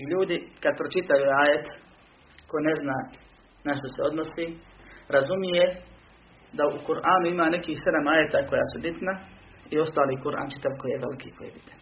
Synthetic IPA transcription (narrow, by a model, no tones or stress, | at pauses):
ʎuːd̪ikad̪̚pɾot͡ʃit̪ajuaːjet̪ | kojne̞znaː | naʃt̪o̞seo̞d̪nosiː | ɾazumije | d̪aukuɾʔaːnuimaːne̞kiːhse̞d̪amaːjet̪ako̞ja̰ːsubit̪na | io̞st̪aːliːkuɾʔa̰ːnt͡ʃi̥t̪aʋko̞jiːjeʋḛlikʰiːko̰jḭbit̪a